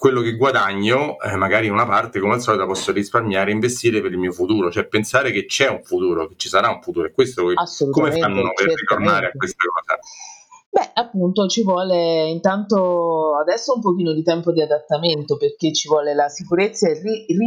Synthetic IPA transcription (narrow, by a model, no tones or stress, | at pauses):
kwelːokeɡwad̪aɲːomaɡaːɾinunapart̪ekomeasːɔːlit̪apɔsːoɾisparmjaːɾeiɱvest̪iːɾepeɾilmiːofut̪uːɾot͡ʃɛpːensaːɾeket͡ʃːɛuɱfut̪uːɾoket͡ʃːisaɾauɱfut̪uːɾoɛkːwest̪oasːolutkomefannoperit̪ornaːɾeakwest̪akɔːza | bɛapːunt̪ot͡ʃivwɔːleint̪ant̪oad̪ɛsːoumpokiːnod̪it̪ɛmpod̪iad̪at̪ːament̪operk̟et͡ʃːivwɔːlelasikuɾet̪sːaeriri